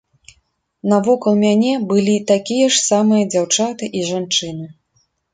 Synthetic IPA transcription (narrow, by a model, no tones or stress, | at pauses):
nɐvɔkɐlˠmʲanʲɛbɨlʲit̪akʲijɐʂsamɨjɐd͡zʲawt͡ʂat̪ɨʔiʐant͡ʂɨnɨ